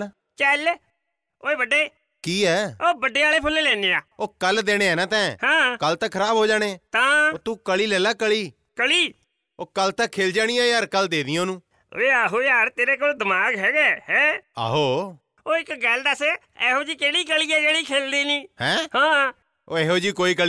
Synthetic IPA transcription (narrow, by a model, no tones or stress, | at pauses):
t͡ʃɛl | oːeːbəɖeː | kiːɛːoːbəɖeːaːleːpʰʊlːeːlɛ̃ːneːaːoːkəld̪eːɽ̃eːɛːnãːt̪ɛ̃ːhãːkəlt̪ãːkʰəɾaːbɦoːd͡ʒaːɽ̃eːt̪ãːoːt̪ũːkəliːlɛːlaːkəɭiː | kəliː | oːkəlt̪ãːkʰeːld͡ʒaːɽ̃ĩːãːaːɾkəld̪eːd̪iãoːnṵ̃ː | eːaːɦoːaːɾt̪eːɾeːkoːld̪əmaːɡɦɛːɡɛːɦɛ̃ːa̰ːɦoː | oːɪkɡɛːld̪aːse | ɛːɦoːd͡ʒiːkeːɽiːkəliːɛːd͡ʒeːɽiːkʰeːld̪iːniːhɛ̃ːhãː | oːɛːɦoːd͡ʒiːkoːiːkəli